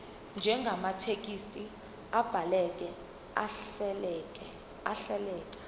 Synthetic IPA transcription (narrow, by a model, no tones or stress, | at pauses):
nd͡ʒʱɛŋɡʱamatʰek̬ʼistʼi | ab̥ʱalɛk̬ʼɛ | a | kɛ | aɬɛlɛːk̬ʼḁ